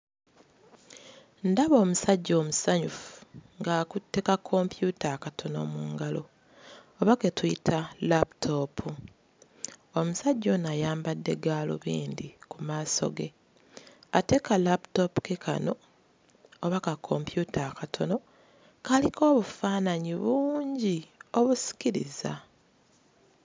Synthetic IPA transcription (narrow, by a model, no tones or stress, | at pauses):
ndaβo̞ːmusaɟːo̞ːmusaɲufu̥ŋɡaːkutːe̞kakʰo̞mpjutakatʰo̞no̞̰muːŋɡalo̞ː | βaketuitʰalaptʰopʰu | omusaɟːo̞najaːmbadːe̞ɡaːlo̰βḭːnd̪ikumaːso̞̰ɡe̞ | ate̞kalaptopu̥kekʰa̰no̞ | oβakakʰo̞mpjutʰaːkatʰo̞no̞ | kaliko̞ːβufaːnaɲiβuːɲɟio̞βusi̥ciɾḭza̰